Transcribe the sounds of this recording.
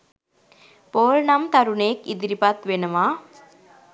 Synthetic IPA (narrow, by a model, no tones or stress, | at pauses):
poːlnamt̪ɐɾuneːkid̪iɾipat̪ʋenəʋaː